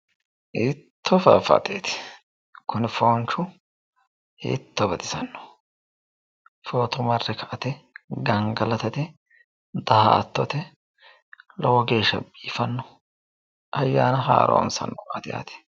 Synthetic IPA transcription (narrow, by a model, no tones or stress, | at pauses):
ɪt̪ʰːɔfɐfɐ̰t̪eːt̪ɪ̥ | kʰʊnɪfoːnt͡ʃʊ | ɪ̰t̪ːɔbɐt̪ʼɪsɐnːɔ̥ | foːt̪ɔmɐrːɛkɐʔɐt̪ɛɡɐŋɡɐlɐt̪ɐt̪ɛ | d̪ɐhɐɐ̰t̪ːɔt̪ɛ | lɔwɔɡe̞ːʃːɐ̰bʼiːfɐnːɔ | ʔɐjːaːnɐɦa̰ːɾʔɔ̰ːnsɐ̰nːɔaːt̪ɪja̰ːt̪ɛ̥